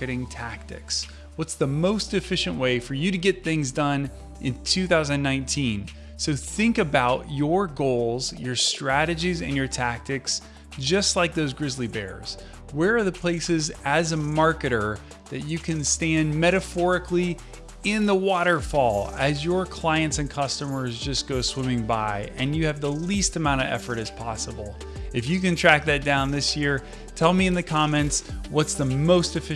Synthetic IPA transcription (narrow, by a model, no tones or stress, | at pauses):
ɨɾɪ̃ŋtʰæk̚tɨ̰ks | wʌtsðəmoʊstɨfɪʃɨ̃nʔweɪfə˞jɨɾɨɡɛt̪̚θɪ̃ŋzdʌ̃n | ʔɨ̃ntʰʉθaʊzɨ̃nnãɪ̃ntʰĩn | soʊθɪ̃ŋkɨbaʊt͡ʃə˞ɡoʊlˠzjə˞stɹ̥æɾɨd͡ʒizɨ̰̃njə˞tʰæk̚tɨks | d̥ʒ̥ʌstˡlaɪk̚ðoʊzɡɹɪzlibɛ̰ɹz̥ | wə˞ːðəpʰl̥eɪsɨzɨzəmɑɹkɨɾə˞ | ðɨt͡ʃɨkʰɨ̃nstæ̃nmɛɾɨfɔɹɨkli | ɪ̃nðəwɔɾə˞fɔlˠɨzjə˞kʰl̥aɪɨ̃ntsɨ̃nkʰʌstəmə˞zd͡ʒʌsɡ̥oʊswɪ̃mɪ̃ŋbaɪɨ̃njɨːvðəlistɨmãʊ̃ɾ̃ʌvɛ̰fə˞ɾɨz̥pʰɑsəbl̩ˠ | ɨfjɨkɨ̃ntʰɹ̥æk̚ðɨt̚d̥ãʊ̃nðɪsjɪɹ | tʰɛlˠmiɨ̃nðɨkʰɑmɛ̃ntswʌtsðəmoʊstɨfɪ